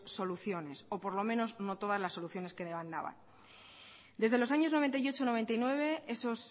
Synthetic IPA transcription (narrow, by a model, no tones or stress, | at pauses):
so̞luθjo̞ne̞so̞po̞ɾlo̞mẽ̞no̞zno̞t̪o̞ðazlasːo̞luθjo̞ne̞skeðeβand̪a̰βa̰n | d̪e̞zðe̞lo̞s̬aɲo̞znoe̞nt̪ajo̞t͡ʃono̞β̞e̞nt̪ajnwe̞βe̞eso̞s